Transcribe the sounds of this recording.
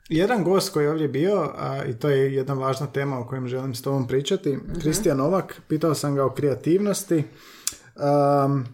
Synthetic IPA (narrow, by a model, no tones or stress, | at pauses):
je̞d̪anɡo̞ːst̪̚ko̞jijɛo̞ːʋd̪ʲjebiːo̞ḭt̪oːjeje̞d̪naʋaːʒnat̪e̞ːmaoko̞jemʒe̞limst̪o̞bompɾiːt͡ʃat̪ikɾist̪ijano̞ʋakpiːt̪aosamɡao̞kɾeat̪iːʋnost̪i | ə